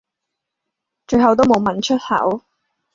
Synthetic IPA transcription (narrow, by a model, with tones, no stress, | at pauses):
t͡ʃɵ˧ɥɦɐ˨wt̪̬o˥wmo˨˧wmɐ˨˩nt͡ʃʰɵ˥t̚hɐ̰˨˥w